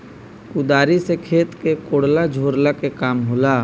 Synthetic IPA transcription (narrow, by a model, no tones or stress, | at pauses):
kʊd̪aːɾisekʰeːt̪kekoːɽlad͡ʒʱoːɾlakekaːmɦoːlaː